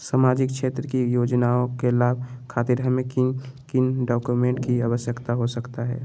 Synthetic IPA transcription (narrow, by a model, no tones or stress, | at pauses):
samaːd͡ʒɪkʃʰeːt̪ɾəkijoːd͡ʒnaõkelaːb̚ʱkʰaːt̪iɾɦəmẽkikɪnɖɔːkjumẽːɳʈkiaːʋəsjəkt̪aɦosəkt̪aɦɛ̰ː